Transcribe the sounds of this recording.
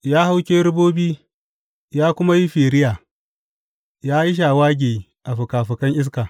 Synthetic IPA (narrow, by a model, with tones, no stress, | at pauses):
jaː˦ha˦wkʲeː˦ɾʊ˦boː˦biː˦ | jaː˦kʷʊ˦ma˦ji˦ɸiː˨ɾɪ˦jaː˨ | jaː˦ji˦ʃ̬aː˨waː˦ɡʲeː˨ | ʔa˨ɸʊ˨kaː˨ɸʊ˨kɐ˦ŋʔɪ˦s̬kaː˨